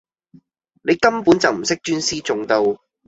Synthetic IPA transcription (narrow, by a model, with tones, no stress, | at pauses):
ne˨˧jkɐ˥mpuː˨˥nt͡sɐ˨wm̩˨˩sɪ˥k̚t͡ʃyː˥nsiː˥t͡sʊ˨ŋt̪o˧w